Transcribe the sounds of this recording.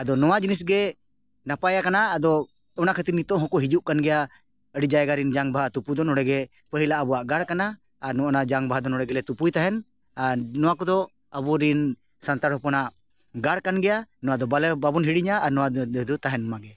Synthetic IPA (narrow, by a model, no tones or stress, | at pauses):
ad̪ɔnɔwad͡ʒinisɡɛ | napajakanaːd̪ɔː | nakʰət̪iɾnit̪ɔ̃ʔɦɔkɔɦid͡ʒuʔkanɡɛja | əɽid͡ʒajɡaɾind͡ʒaŋbaɦat̪upud̪ɔnɔɽɛɡɛ | pəɦilaʔəbɔwaʔɡaɽkanaː | ɾnɔɔnad͡ʒaŋbaɦad̪ɔnɔɽɛɡɛlɛt̪upujt̪aɦɛn | anɔwakɔd̪ɔ | əbuɾin | sant̪aɾɦɔpɔnaʔ | ɡaɽkanɡɛjanɔwad̪ɔbalbabɔnɦiɽiɲaːɾnɔwad̪ut̪aɦɛnːɔmaɡɛ